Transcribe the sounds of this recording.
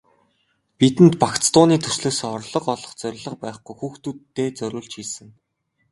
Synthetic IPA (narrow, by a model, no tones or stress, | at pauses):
pit̪ɘ̆nt̪pakt͡st̪ʊːniːt̪ʰɵ̥sɮɵ̆ːsɔrɮɞ̆qɔɮɞ̆χt͡sœɾʲɪ̆ɮə̆q̚pæːχɡujxuːxt̪ut̪ːeːt͡sœɾʲʊːɮt͡ɕxiːsɘ̆ŋ